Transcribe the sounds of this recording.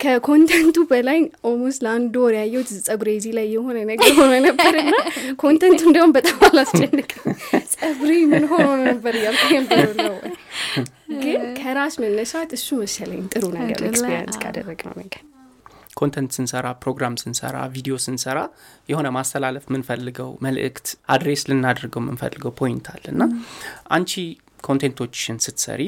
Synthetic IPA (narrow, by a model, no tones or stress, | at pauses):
kʰəkʰo̞nt̪ʰent̪ʰubəlajʔomusləand̪ɔɾjajːɛwt̪zɨsʼəɡuɾezilajːɛho̞nənəɡɛɦononəbəɾɨnːakʰo̞nt̪ʰɛnt̪ʰuɨnd̪əwumbət̪ʼamalast͡ʃʼɛnːɨkʼəwsʼəbɾimɨnɦo̞nonnəbːəɾɨjalkʰʼjɛnəbəɾnːəwɔ̰j | ɡɨnkʰəɾaʃmənːəʃawt̪ɨsːumɨʃələɲɪnt̪ʼɨɾunəɡə̰ɾeɾə̰nt̪kʰa̰d̪ə̰rːəɡnə̰wmɨɡə | kʰont̪ʰent̪sɨnsəɾapɾo̞ɡɾamsɨnsə̰ɾa̰vid̪io̞sɨnsəɾajɛho̞nəmast̪ʰəlaləfmɨnfəlːɨɡəwməlʔɨ̰kt̪ʔad̪ɾeslɨnːad̪ɾɡəwmɨ̰nfə̰lːɨɡəwpʰo̞jɪnt̪ʰa̰lːɨnːaʔant͡ʃi | kʰo̞nt̪ʰent̪ʰo̞t͡ʃːɪnsɨt̪sə̰ɾi